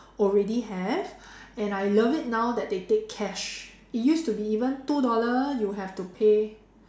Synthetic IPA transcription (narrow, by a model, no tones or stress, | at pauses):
ɔlɹɛdiɦɛv | ɛ̃najləvit̚naʊdɛt̚detekʰːɛʃ | it̚justubiivə̃ntudɔləjuɦɛvtupʰe